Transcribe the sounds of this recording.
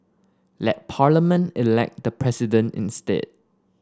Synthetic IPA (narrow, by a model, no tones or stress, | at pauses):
lɛt̚pʰaləmə̃ntilɛ̰k̚d̥əpʰɹɛsidə̃ntḭ̃nstḛd̚